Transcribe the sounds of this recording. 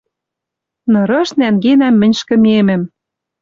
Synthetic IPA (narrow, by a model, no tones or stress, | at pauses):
nɤ̆ɾɤ̆ʃnæŋɡenæmːɘ̆nʲʃkɘ̆memɘ̆m